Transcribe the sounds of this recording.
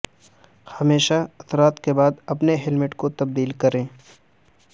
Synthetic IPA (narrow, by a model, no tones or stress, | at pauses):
hɐmeːʃaɐt̪ɾaːt̪kebaːd̪ɐpneɦɪlmɪʈkot̪ɐb̚d̪iːlkɐɾẽː